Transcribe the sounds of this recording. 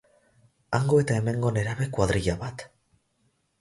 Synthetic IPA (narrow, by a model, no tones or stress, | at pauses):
aŋɡo̞e̞t̪ae̞me̞ŋɡo̞ne̞ɾaβe̞kwaðɾiʎaβat̪